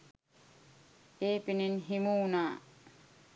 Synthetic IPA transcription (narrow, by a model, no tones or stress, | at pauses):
eːpininɦimuːnaː